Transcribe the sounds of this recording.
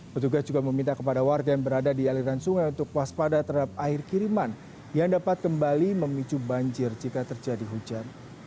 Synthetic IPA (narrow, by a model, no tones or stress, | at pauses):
pət̪uɡasd͡ʒuɡaməmint̪akəpadawarɡajaŋbəɾadadialiɾansuŋajunt̪ʊkwaspadat̪əɦadap̚aɪrkiɾiman | jaŋdapat̪̚kəmbaliməmit͡ʃubaɲd͡ʒɪrd͡ʒikat̪ərd͡ʒadiɦud͡ʒan